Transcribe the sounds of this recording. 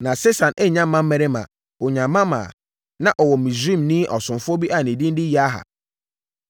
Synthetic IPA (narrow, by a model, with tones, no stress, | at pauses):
nã˨se˦sʰã˨ne˦˨ɲã˦m˦mã˦m̩˦mɛ˨ɾɪ˦mã̰˨ | o˨ɲã˨mːã˦mã̰ː˨ | nã˨ʔɔ˨wɔ˨mĩ˨sĩ˦˨mnĩ˦ʔɔ˨sʊ̃˨mfʊ˦ɔ˦bi˦ʔa˨nĩ˨dĩ˦n̩˦dɪ˦ji˨˦a˦ɦa̰˨